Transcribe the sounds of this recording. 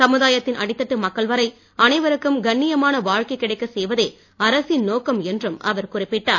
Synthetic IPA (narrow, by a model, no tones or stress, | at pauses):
sɐmɯðaːjɐt̪ːɪnʔɐ̰ɽɪt̪ːɐʈːɯmɐkːɐɭʋɐɾɐɪ | ɐnɐɪʋɐɾɯkːɯmɡɐɳːɪjɐmaːnɐʋaːɻkɐɪkːɪɽɐɪkːɐsɛjʋɐðeː | ɐɾɐsɪnnoːkɐmɛndrɯmɐ̰ʋɐɾkʊrɪpːɪʈːaːɾ